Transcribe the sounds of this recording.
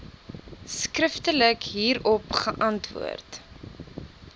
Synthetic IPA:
skrəftələkɦiːɾɔpχəʔɐntvṵərt

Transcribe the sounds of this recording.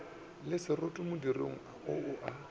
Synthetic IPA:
lɪsɪrotʼʊmʊdirḛŋ̩aʊʊʔa

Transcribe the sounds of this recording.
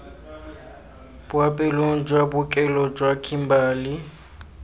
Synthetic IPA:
bʊapʼɛloŋ̩d͡ʒʼwabʊkʼɛlɔd͡ʒwakʰʼimbaːlɪ

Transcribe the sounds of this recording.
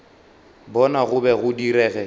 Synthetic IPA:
bɔnaɣʊbɛɣʊdiɾɛːɣɛ

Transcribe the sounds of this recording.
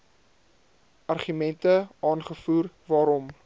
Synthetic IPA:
ʔɐrχymɛntəʔɑːnχəfuːrvɑːɾɔm

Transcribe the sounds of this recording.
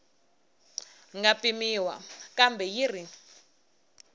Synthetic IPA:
ŋɡapimiwa̰kambɛjiri

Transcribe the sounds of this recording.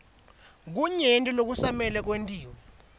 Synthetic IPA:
k̬uɲentʼilok̬usamɛlɛk̬wentʼiːwɔ

